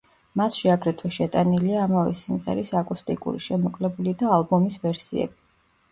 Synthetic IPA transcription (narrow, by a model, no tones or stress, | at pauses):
masʃiaɡɾɛt̪ʰwɛʃɛt̪ʼaniliaːmavɛ̰simʁɛ̰ɾisakʼust̪ʼikʼṵɾḭʃɛmɔkʼlɛbulid̪aːlbɔmisvɛɾsiɛ̰b̥i